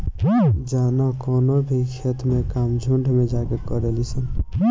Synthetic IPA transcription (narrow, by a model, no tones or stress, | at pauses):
d͡ʒaːnakɔːnobʱikʰet̪mẽkaːmd͡ʒʱuɳɖʱmẽd͡ʒaːkekɔɾelisən